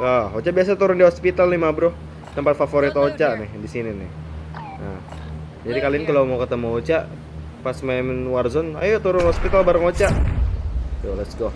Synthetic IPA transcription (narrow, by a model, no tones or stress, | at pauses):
aɦot͡ʃaʔbias̬at̪uɾʊndiɦospit̪alnimabɾoh | t̪əmpat̪̚fafoɾit̪ot͡ʃaʔnɪhdisininɪ̰h | nah | d͡ʒadikaliɪnkalomawkət̪əmaot͡ʃaʔ | pasmamnwarzɔna̰jot̪uɾʊnɦospit̪albaɾəŋot͡ʃaʔ | jolɛsɡɔ